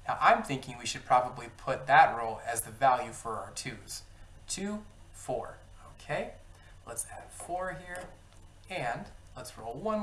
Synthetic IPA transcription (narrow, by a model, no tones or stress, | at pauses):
naʊʔãɪ̃mθɪ̃ŋkɪ̃ŋwiʃɨd̚pʰɹ̥ɑbəblipʰʊt̪̚ðɨt̚ɹoʊlˠɨzðɨvælˠjʉfə˞aʊə˞tʰʉz̥ | tʰʉ | fɔ̰ɹ | oʊkʰeɪ | lətsæ̰d̥fɔɹɦiɹ | ɨ̃nlətsɹo̰ʊlˠwʌ̃n